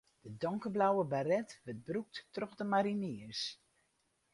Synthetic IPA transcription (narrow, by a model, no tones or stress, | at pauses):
d̥ədɔŋkəblawəbarɛtʋət̚bruk̚ttrɔχdəmaɾiniəs